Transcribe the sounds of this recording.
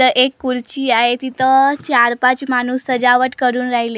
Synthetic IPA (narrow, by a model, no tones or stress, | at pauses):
əʔekːuɾt͡ɕiːaɦet̪it̪ət͡ɕaɾpat͡smanuːsːəd͡ʑaʋəʈkəɾuːnɾaɦile